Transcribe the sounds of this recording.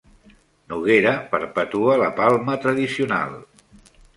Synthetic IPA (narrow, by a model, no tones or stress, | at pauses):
nuɣeɾəpəɾpət̪uələpalˠmət̪ɾəðisiuna̰lˠ